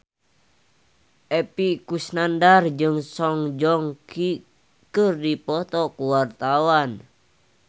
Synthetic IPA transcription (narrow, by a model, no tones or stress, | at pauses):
ʔɛpikusnandard͡ʒɨŋsɔŋd͡ʒɔŋki | kɨrdipɔt̪ɔkuwart̪awan